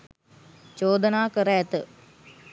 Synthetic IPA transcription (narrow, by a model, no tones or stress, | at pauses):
t͡ʃoːd̪ənaːkəɾəɛt̪ə